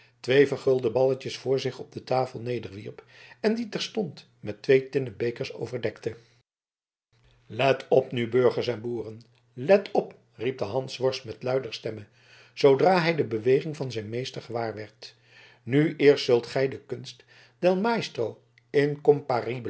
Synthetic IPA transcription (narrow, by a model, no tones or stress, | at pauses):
tʋejvəɹχɵlˠdəbɑləcəsfʊːɹzɪχɔb̚dətaːfəlˠnejdəɹʋiɹp | ɛnditɛɹstɔnt | mɛtʋejtɪnəbejkəɹso̰wvəɹdɛktə | lɛtɔpnybɵɹχəɹsɛnbuːrən | lɛtʰɔp | rip̚dəɦɑnsʋɔɹsmɛtlœɥdəɹstɛmə | z̥owdraːɦɛjdəbəʋejχɪŋvɑnzɛjnmejstəɹχəʋaːɹʋɛɹt | nyʔɪːɹstsɵlˠtχɛjdəkɵnst | d̥ɛlˠmajstrow | ɪŋkɔmparib